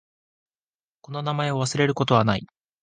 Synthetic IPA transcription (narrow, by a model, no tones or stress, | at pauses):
ko̞no̞namae̞o̞βasɨɾe̞ɾɯ̟ko̞t̪o̞βanai